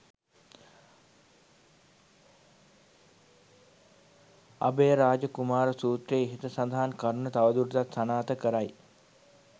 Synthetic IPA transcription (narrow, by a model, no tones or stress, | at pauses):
a̰bejəɾaːd͡ʒəkumaːɾəsuːt̪ɾeiɦit̪əsand̪aɦankaɾunət̪aʋəd̪uɾt̪at̪sanaːt̪əkəɾaj